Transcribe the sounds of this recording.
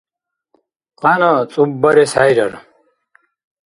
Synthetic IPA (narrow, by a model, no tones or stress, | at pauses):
qaːnʌt͡sʼubːʌɾesaːjɾʌɾ̰